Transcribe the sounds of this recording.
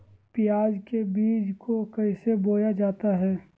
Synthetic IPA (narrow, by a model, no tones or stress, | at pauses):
pɪjaːd͡ʒkebiːd͡ʒkokəɪseboːjad͡ʒaːt̪aɦɛː